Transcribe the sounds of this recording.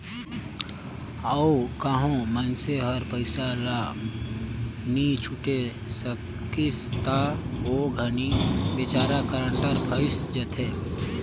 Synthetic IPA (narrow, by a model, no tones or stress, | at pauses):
aokaːɦõmənseɦəɾpəɪsala | nit͡ʃʰuʈe | sə | kist̪aoɡʱənibet͡ʃaːɾakəɾəɳʈəɾpʰəɪsd͡ʒət̪ʰe